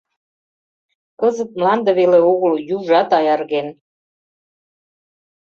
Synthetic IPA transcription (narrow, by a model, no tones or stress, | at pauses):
kɤzə̆t̪̚mlɑnd̪ə̆βeleoɣəljuʒɑt̪ɑjɑrɣen